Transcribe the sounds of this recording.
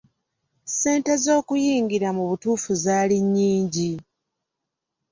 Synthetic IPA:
se̞ːnte̞zo̞ːkujiːŋɡiɾamuβutuːfuzaːliɲːiːɲɟi

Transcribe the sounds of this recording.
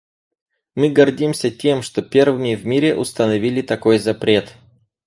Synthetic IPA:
mɨɡɐrdʲimsʲətʲe̞mʂt̪o̞pʲe̞rvɨmʲɪvmʲiɾʲɪʔʊst̪ənɐvʲilʲɪt̪ɐko̞jzɐpɾʲe̞t̪

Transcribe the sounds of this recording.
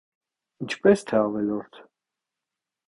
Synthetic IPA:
int͡ʃʰpɛst̪ʰɛɑvɛlɔɾt̪ʰ

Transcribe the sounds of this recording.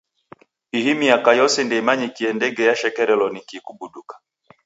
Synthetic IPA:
ihimiakajɔsɛndɛmaɲikiɛndɛɡɛjaʃɛkɛɾɛlɔnikikuɓuɗukḁ

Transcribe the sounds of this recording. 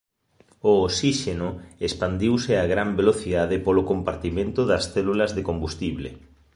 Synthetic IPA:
oːsiʃenʊespand̪iwsɪaɣɾambeloθiðaðɪpolokompaɾt̪imẽnt̪ʊðɐsθɛlulɐzðekombust̪iβlḛ

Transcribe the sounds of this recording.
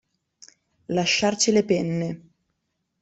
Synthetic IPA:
laʃːart͡ʃilepɛnːe

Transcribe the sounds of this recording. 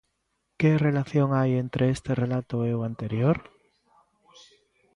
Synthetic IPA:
kerelaθjoŋajent̪ɾʔeest̪erelat̪oeoant̪eɾjoɾ

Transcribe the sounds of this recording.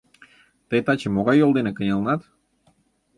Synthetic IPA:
t̪ɤjt̪ɑt͡ɕemoɣɑjːolˠd̪enekə̆nʲɑlˠnɑt̪

